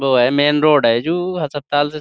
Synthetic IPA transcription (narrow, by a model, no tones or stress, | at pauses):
boːɦɛmeːnɾoːɖɦɛd͡ʒuɦəsəpt̪aːlse